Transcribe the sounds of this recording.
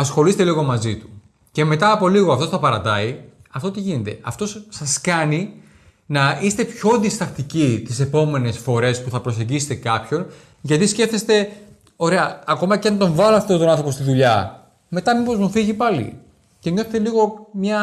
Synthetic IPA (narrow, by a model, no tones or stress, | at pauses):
ɐsxo̞list̪e̞liɣo̞mɐzit̪u̥ | ce̞me̞t̪ɐːpo̞liɣoɐft̪o̞sθɐpɐɾɐt̪ɐiɐft̪o̞t̪iʝine̞t̪e̞̰ɐft̪o̞sːɐskɐni | nɐist̪e̞pço̞nðist̪ɐxt̪icit̪ise̞po̞me̞ne̞sfo̞ɾe̞spuθɐpɾo̞se̞ɲɟise̥t̪e̞kɐpço̞n | ʝɐt̪isce̞fθest̪e̞ | o̞ɾe̞ɐːko̞mɐceɐnt̪o̞ɱvɐloɐft̪ot̪onɐ̃nθopost̪iðuʎɐ | me̞t̪ɐmipo̞zmufiʝipɐlḭ | ce̞ɲo̞θet̪e̞liɣo̞mɲɐ